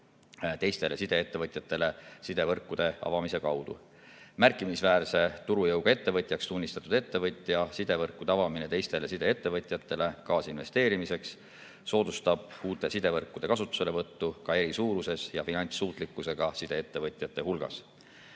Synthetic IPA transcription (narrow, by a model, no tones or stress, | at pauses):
t̪e̞jst̪e̞lesid̪̥e̞et̪ːe̞vɤt̪ʲˑjɑt̪ːˑe̞le̞sid̪e̞vɤrkːˑud̪̥e̞ɑ̰vɑmise̞kɑwd̪̥ṵ | mærkːˑimisvæːrse̞t̪uɾujɤwɡ̥ɑe̞t̪ːe̞vɤt̪ʲˑjɑkst̪unʲːist̪ɑ̥t̪ːˑud̪e̞t̪ːe̞vɤt̪ʲˑjɑsid̪̥e̞vɤrkːud̪̥eɑvɑminet̪e̞jst̪e̞le̞sid̪e̞e̞t̪ːe̞vɤt̪ʲˑjɑt̪ːˑe̞le̞kɑːsinve̞̰st̪eːɾimise̞ksː | o̞ːd̪̥ust̪ɑb̥̚uːt̪ːˑe̞sid̪̥e̞vɤrkːˑud̪̥e̞kɑsut̪ːˑu̥se̞levɤt̪ːukɑe̞ɾisuːɾuse̞sjɑfinɑnʲt̪sːuːt̪ˑlikːˑuse̞ɡ̥ɑsid̪̥e̞et̪ːe̞vɤt̪ʲˑjɑt̪ːe̞hulɡ̥ɑ̰s